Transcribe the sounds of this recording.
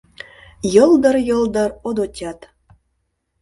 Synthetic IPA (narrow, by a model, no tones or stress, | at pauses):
jɤlˠd̪ɤ̆rjɤ̆ld̪ɤ̆rod̪otʲɑt̪